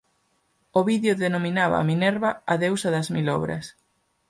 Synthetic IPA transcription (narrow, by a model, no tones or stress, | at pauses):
oβiðjoðenominaβa̰minɛɾβɐaðewsɐðɐzmilɔ̰βɾɐ̰s